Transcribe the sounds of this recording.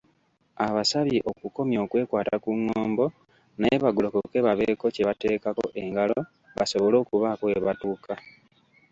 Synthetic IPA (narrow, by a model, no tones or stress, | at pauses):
aβasaβiʔo̞kuko̞mjo̞ːkwe̞ːkwaːtakuŋːoːmbo̞ | najeβaɡulokoke̞ːβaβe̞ːko̞ce̞βate̞ːkako̞̰ʔeŋɡalo | βaso̞βo̞lo̞ːkuβaːkoeβatuːka